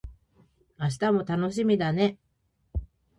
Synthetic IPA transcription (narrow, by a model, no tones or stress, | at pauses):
aɕ̬i̥t̪amo̞t̪ano̞ɕimʲid̪ane̞